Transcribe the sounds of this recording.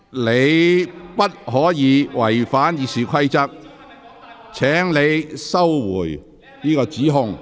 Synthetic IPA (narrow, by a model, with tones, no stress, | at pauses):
le˨˧jpɐ˥t̚hɔː˨˥jiː˨˧wɐ˨˩jfaː˨˥njiː˨˧siː˨˩kʰɐ˥jt͡sɐ˥k̚ | t͡sʰɛː˨˥ŋle˨˧jsɐ˥wwṵː˨˩j | niː˥kɔː˧t͡siː˨˥ɦʊ˧ŋ